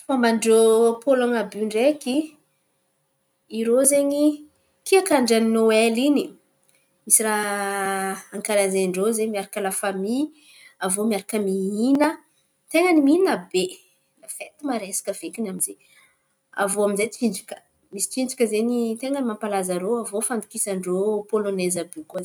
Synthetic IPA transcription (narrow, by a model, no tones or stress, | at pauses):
fambaɳɖ͡ʐopolaŋabuɳɖ͡ʐeki | ɾozeɲi | kiakaɳɖ͡ʐaninoelini | misiɾa | aŋkaɾazeɳɖ͡ʐozemiaɾakəlafami | avomiaɾakəmiinə | t̪eŋəniminabe | lafet̪imaɾesḁkəvekʲinamize | a̰voamizet͡sind͡zi̥kə̥ | misi̥t͡sind͡zukʲəzeɲit̪eŋənimampalazəɾoavofand̪u̥kisaɳɖ͡ʐopolonezəbeŋkuaz